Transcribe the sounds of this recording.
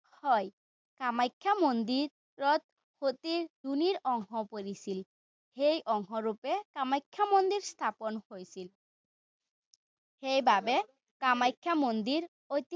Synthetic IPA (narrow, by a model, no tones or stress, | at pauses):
hɔj | kamajkʰːamond̪iɾː | ɔt̪̚ | hot̪iɹduniɾɔŋɦɔpoɾisil | hejʔɔŋɦɔɾupekamajkʰːamond̪iɹst̪ʰapɔnhojsil | hejbabe | kamajkʰːamond̪iɾ | ojt̪i